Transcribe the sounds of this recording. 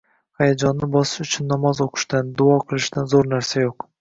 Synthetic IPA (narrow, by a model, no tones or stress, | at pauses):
hajad͡ʒɒnːɪbɒsɪ̥ʃʊt͡ʃʰʊnːɒmɒzoqʰɨ̥ʃd̪and̪ʊɒqʰɨlˠɪʃd̪anzoɾnaɾsajoq